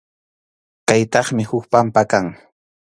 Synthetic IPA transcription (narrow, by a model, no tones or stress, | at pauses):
kajt̪ɑχmɪhʊkpampakaŋ